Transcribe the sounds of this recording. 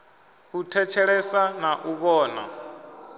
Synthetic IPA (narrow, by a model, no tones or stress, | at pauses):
utʰɛt͡ʃʰɛɺɛsanaʔuβɔːna̰